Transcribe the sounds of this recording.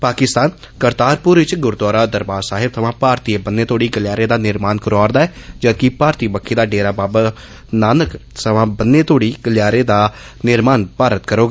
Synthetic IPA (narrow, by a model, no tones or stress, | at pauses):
paːkɪst̪aːn | kəɾt̪aːɾpʊɾʋɪt͡ʃɡʊɾd̪waːɾaːd̪əɾbaːɾsaːɦɪt̪ʰəʋãːpaːɾt̪iːeːbənːeːt̪ʰoːɽiːɡəljaːɾeːd̪aːnɪɾmaːnkəɾaːɾd̪aːɛːd͡ʒəːkɪpaːɾt̪iːbəkʰːeːd̪aːɖeːɾaːbaːb | naːnəksəʋãːbənːeːt̪oːɽiːɡ̥əljaːɾeːd̪aː | nɪɾmaːnpaːɾət̪kəɾoːɡaː